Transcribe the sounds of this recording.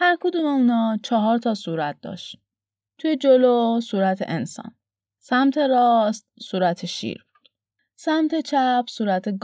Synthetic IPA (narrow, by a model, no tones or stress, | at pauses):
hæɾkʰod̪umeunɒːt͡ʃʰɒɦɒːɾt̪ʰɒːsuːɾæt̪̚d̪ɒ̰ːʃt̪i | t̪ʰujed͡ʒolosuːɾæt̪ʰḛʔensɒ̰ːn | sæmt̪ʰe̞ɾɒːst̪̚suːɾæt̪ʰeʃḭːɾbu̥d̪̥ | sæmt̪ʰe̞t͡ʃʰæpʰsuːɾæt̪ʰe̞ɡ